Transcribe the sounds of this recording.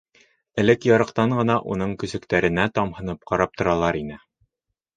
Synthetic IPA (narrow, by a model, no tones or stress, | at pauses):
ɘ̆lɘkjɑɾɤ̆qt̪ɑɴɢɤ̆nɑʔunɤɴkɵ̆sɘ̆kt̪æɾɘ̆næt̪ɑmhɤ̆nɤp̚qɑɾɑp̚t̪ŏɾɑlˠɑɾinɘ